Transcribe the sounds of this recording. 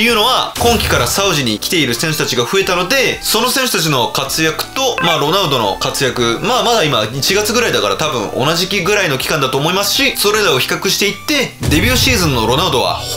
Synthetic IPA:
jɯ̟ːno̞βakõ̞ŋkʲi̥kaɾasaɯ̟ʑiɲ̟ikʲi̥t̪e̞iɾɯ̟sẽ̞ɰ̃ɕo̥t̪at͡ɕiɡaɸɯ̟e̞t̪ano̞d̪e̞so̞no̞sẽ̞ɰ̃ɕo̥t̪at͡ɕino̞kat͡sɨjakɯ̟̥t̪o̞maːɾo̞naɯ̟d̪o̞no̞̰kat͡sɨjakɯ̟maːmad̪aimait͡ɕiɡat͡sɨɡɯ̟ɾaid̪akaɾa̰t̪abɯ̟̰̃ŋo̞̰naʑikʲiɡɯ̟ɾaino̞kʲi̥kãnd̪at̪oːmo̞imasɨ̥ɕiso̞ɾe̞ɾaoçi̥kakɯ̟ɕi̥t̪e̞it̪ːe̞d̪e̞bʲɨːɕiːzɨ̃nːo̞ɾo̞naɯ̟d̪o̞βa̰h

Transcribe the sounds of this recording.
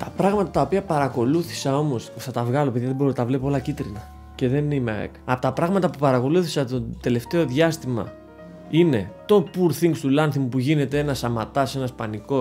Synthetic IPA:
t̪ɐpɾɐɣmɐt̪ɐt̪ɐo̞piɐpɐɾɐko̞luθi̥sɐo̞mo̞sθɐt̪ɐvɣɐlo̞piðijiɐðebo̞ɾot̪ɐvle̞poolɐcit̪ɾinɐ | ce̞ðe̞nimeɐ̰ḛkɐpot̪ɐpɾɐɣmɐt̪ɐpupɐɾɐko̞luθi̥sɐt̪od̪̥e̞le̞ft̪e̞o̞ðʝɐst̪imɐ̰ | ine̞t̪o̞puɾθiŋɡst̪ulɐnθimupuʝine̞t̪e̞enɐsɐmɐt̪ɐse̞nɐspɐniko̞

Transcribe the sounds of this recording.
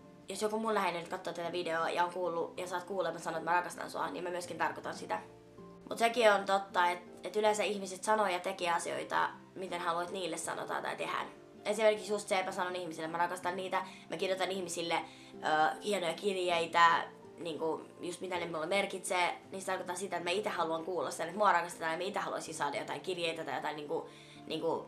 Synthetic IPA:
josjokumullæhennyt̪̚kɑt̪ːoːt̪æt̪æʋideoːjɑ̰oŋkuːlːujɑsɑːt̪kuːlemːɑsɑnoet̪mærɑkɑst̪ɑ̰nsuɑ̰nḭmæmyøskint̪ɑrkot̪ɑnsit̪æ | mut̪sekiont̪ot̪ːɑet̪ | et̪ylensæihmiset̪sɑnojɑt̪ekiɑsio̰it̪ɑ̰ | mit̪enhɑluɑt̪niːlːessɑ̰no̰t̪ɑ̰nt̪ɑ̰it̪ehæ̰n | esimerkiksjust̪seːpmæsɑnonihmisilːet̪mærɑkɑst̪ɑnniːt̪æmʔækirjot̪ɑnihmisilːe | ʔøːhienojɑkirjeit̪æ | niːŋkujust̪mit̪æneminulːemerkit̪seːnisit̪ɑrkot̪ɑsit̪æet̪mæit̪ehɑluɑŋkuːlːɑ̰sit̪ænet̪muɑrɑkɑst̪et̪ɑːnemæit̪ehɑlṵɑ̰isinsɑːdɑ̰jot̪ɑiŋkirjeit̪æt̪ɑjot̪ɑiniːŋku | niːŋku

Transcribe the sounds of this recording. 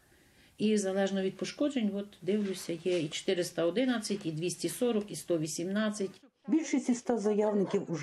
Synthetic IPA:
izɐlˠɛʒnɔʋʲid̪pɔʃkɔd͡ʒenʲʋɔt̪d̪ɪwlʲʊsʲɐjɛit͡ʃe̥t̪ɪɾɪst̪ɐɔd̪ɪnɐt͡sʲːɐtʲid̪ʋʲisʲtʲisɔɾɔkist̪ɔʋʲisʲimnɑt͡sʲːɐtʲ | bʲilʲʃisʲist̪azɐjawnɪkʲiwʊʒ

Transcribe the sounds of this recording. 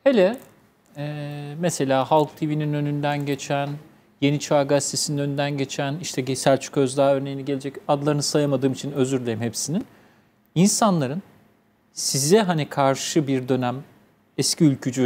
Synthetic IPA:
helʲɛ | ɛːmese̞lʲaːɦalˠkt̪ʰivininø̞nynd̪ænɟe̞t͡ʃʰæn | je̞nit͡ʃʰaɾɡast̪ʰesininønynd̪ænɟe̞t͡ʃʰæniʃt̪ʰɛɟesælʲt͡ʃʰy̥kø̞zd̪aɦaø̞ɾnejinɛɟelʲed͡ʒɛcad̪lˠaɾɯnɯsajamad̪ɯːmit͡ʃʰinø̞zyɾlʲejimhepsinin | insanlˠaɾɯn | sizɛɦanikʰaɾʃɯbiɾd̪ø̞næm | ɛscʰiylʲcʰyd͡ʒy

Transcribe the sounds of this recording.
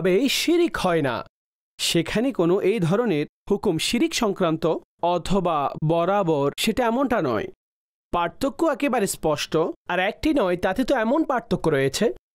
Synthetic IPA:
bejʃiɾikhɔena̰ | ʃekʰanekonoʔejd̪ʱɔɾoneɾhukumʃiɾikʃɔŋkɾant̪o | ɔt̪ʰobabɔɾaboɾʃeʈaɛmonʈanɔ̰e | paɾt̪ʰokːoɛkebaɾespɔʃʈoaɾɛk̚ʈinɔet̪at̪et̪oɛmonpaɾt̪ʰokːoɾojet͡ɕʰe

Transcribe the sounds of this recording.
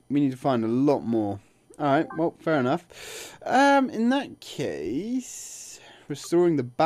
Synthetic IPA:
winid̚tʰə̥fãɪ̃ndəlɔʔmɔːɹ | ɔlˠɹaɪt̚wɛlˠfɛɹɨnʌf | ʌ̃mɪ̃nðət̚kʰeɪs | ɹɨstɔːɹɪ̃ŋðəba

